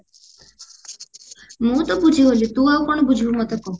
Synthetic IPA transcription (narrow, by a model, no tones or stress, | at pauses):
mũːt̪ɔbud͡ʒʱiɦolit̪ũaukoɳ̃obud͡ʒʱbumɔt̪ɔpɔu